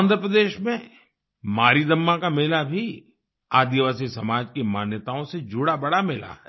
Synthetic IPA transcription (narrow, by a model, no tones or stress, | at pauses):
nd̪ʱɾəpɾəd̪eːʃmẽ | maːɾid̪ɐmːakamɪːlabʱi | aːd̪iʋaːsisɐmaːd͡ʒkimaːnjət̪aõsed͡ʒʱʊɽabɐɽamɪla̰ɦɛ̰ː